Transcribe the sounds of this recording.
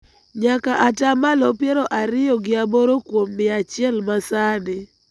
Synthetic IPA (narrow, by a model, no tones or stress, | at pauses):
ɲakaʔatamalɔpjɛɾoʔaɾɪjɔɡɪaboɾokwomːɪat͡ʃɪɛlmasanɪ